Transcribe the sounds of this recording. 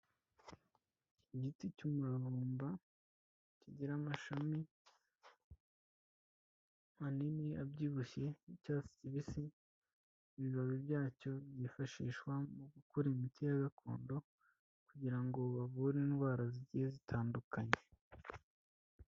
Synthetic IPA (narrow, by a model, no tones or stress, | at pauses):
iɟiticumuɾaβuːmba | ciɟiɾamaʃami | aniniabɟiːβuçe̞icaːsi̥ciβisi | βiβaβibɟaːco̞βjifaʃiːʃwamuɡukuɾimitijaɡakʰo̞̰ːndo̞ | kuɟiɾaŋɡo̞βaβuɾinɡwaːɾaziɟiezitʰaːndukaɲe